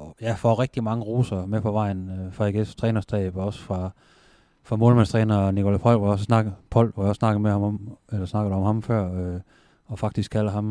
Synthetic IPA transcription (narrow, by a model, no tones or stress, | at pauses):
jæfɒ̰ʁɛɡ̥̚d̥imɑ̈ŋəʁuːsɐmepʰɒ̽ʋɑ̈ɪ̰nfɑiɡ̥est͡sʰʁɛːnɐst͡sʰɛ̰ːb̥ɒ̽sə̥fʁɑ̈ | fʁɑ̈moːlmænst͡sʰʁɛːnɐnikʰolæpʰɒ̽l̰ʋɑjɒ̽s̬əsnɑ̈ɡ̥pʰɒ̽l̰ʋɑjɒ̽ssnɑ̈ɡ̥ð̩ˠmehɑ̈mmelɐsnɑ̈ɡ̥ð̩ˠɒ̽mhɑ̈mfɶɐ̰ø | ɒ̽fɑ̈ɡ̥̚d̥isɡ̥kʰælɐɦɑ̈m